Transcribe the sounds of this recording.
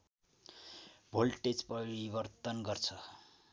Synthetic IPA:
bʱolʈed͡zpʌɾibʌrt̪ʌnɡʌrt͡sʰʌ

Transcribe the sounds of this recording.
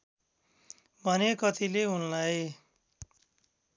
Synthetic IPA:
bʱʌnekʌt̪ileɦunlaj

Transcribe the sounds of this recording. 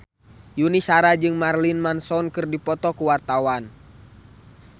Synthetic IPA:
junisaɾad͡ʒɨŋmarlinmansɔnkɨrdipɔt̪ɔkuwart̪awan

